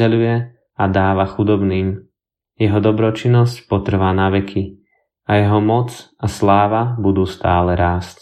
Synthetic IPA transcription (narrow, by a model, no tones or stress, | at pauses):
ɛlujɛ | ad̪aːʋaxud̪ɔbniːm | jɛɦɔd̪ɔbɾɔt͡ʃinːɔscpɔt̪r̩ʋaːnaʋɛkʰi | ajɛɦɔmɔt͡s | aslaːʋabud̪uːst̪aːlɛɾaːsc